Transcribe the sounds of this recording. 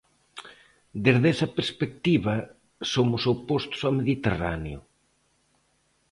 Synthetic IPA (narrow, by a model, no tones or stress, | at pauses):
d̪ezðesɐpeɾspek̚t̪iβɐ | somʊsopost̪ʊ̥sameðit̪era̰njʊ̰